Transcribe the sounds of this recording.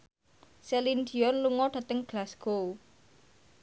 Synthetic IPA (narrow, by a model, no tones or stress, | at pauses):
selind̪iɔnluŋɔɖ̥ä̤t̪əŋɡ̥lasɡ̥o